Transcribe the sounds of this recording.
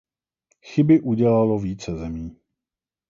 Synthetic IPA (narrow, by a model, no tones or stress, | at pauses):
xɪbɪʔuɟɛlalo̞viːt͡sɛzɛmiː